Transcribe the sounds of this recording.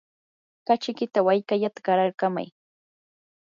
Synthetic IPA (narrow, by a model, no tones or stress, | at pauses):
kat͡ʃɪkɪt̪awajkaʎat̪ḁɢɑɾaɾkama̰j